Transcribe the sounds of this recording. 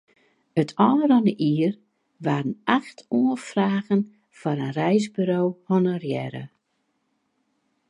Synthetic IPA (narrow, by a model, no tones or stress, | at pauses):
ətʰɔːərɔnəʔiər | ʋaːrənaxtʰuəfraːɣən | fɔɾənrɛjzbyɾoːhɔnərjɛɾə̰